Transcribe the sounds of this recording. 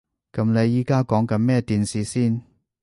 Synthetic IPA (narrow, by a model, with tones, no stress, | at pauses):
kɐ˨˥mle˨˧jiː˨˥kaː˥kɔː˨˥ŋkɐ˨˧˥nmɛː˥t̪iː˨˧nsiː˨˧siː˥˩n